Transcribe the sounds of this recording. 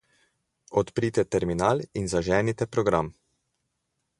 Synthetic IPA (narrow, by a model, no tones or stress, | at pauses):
ɔt̪pɾiːt̪ɛt̪ɛɾminaːlinzaʒɛːnit̪ɛpɾɔɡɾam